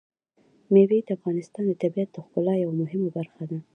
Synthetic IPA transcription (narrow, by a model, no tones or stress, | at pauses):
mewed̪əafɣɑnɪst̪ɑnd̪ət̪abiat̪̚d̪əxpʊlɑjawamʊɦɪmabaɾxad̪a